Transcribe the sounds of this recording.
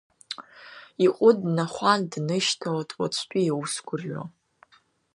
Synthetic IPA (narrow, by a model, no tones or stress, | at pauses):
iqʷʼʊdnaχʷandnɨʃtʰalatʼwa̰t͡ɕʷʰtʲʷʼiiwusɡʷʰʼʊrɥa̰